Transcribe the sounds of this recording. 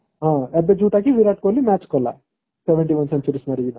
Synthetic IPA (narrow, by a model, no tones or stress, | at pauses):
ɦãːebed͡ʒuːʈaːkiʋiɾaːʈ̚kolːimaːt͡ʃkɔlːɐ̰ | sɛʋeɳʈiʋɐnsent͡ʃuɾismaɾiɡinɐ